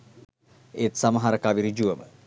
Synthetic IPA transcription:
eːt̪samɐɦaɾɐkaːʋiɾid͡ʒuʋəmə̰

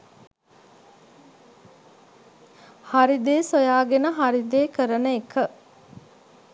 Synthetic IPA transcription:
haɾid̪eːsojaːɡenəɦaɾid̪eːkəɾənəekə

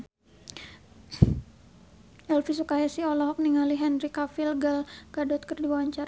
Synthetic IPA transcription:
ʔɛlfisukajasiɔlɔɦɔk̚niŋaliɦɛnrikafilɡalkadɔt̪̚kərdiwawaɲt͡ʃaɾa

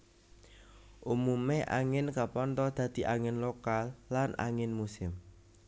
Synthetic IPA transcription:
ʔumumeʔa̰ŋɪnkapɔnt̪ɔd̪̥ä̤d̪̥i̤ʔaŋɪnlokalːanʔa̰ŋɪnmusɪm

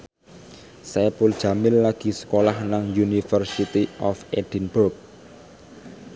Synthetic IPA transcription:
sapʊld̥ʒ̥a̤mɪnlaɡ̥i̤sə̥kolahnaŋjunifərsit̪iʔɔfed̥inbʊrk̚

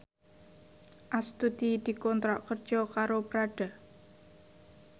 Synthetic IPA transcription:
ʔast̪ud̪̥id̪̥i̤kɔnt̪ɾɔʔkərd̥ʒ̥ɔkaɾobɾaɖ̥a

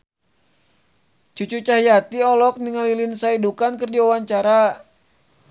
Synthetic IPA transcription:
t͡ʃut͡ʃut͡ʃaɦijat̪iɔlɔk̚niŋalilinsaidukankɨrdiawaɲt͡ʃaɾa

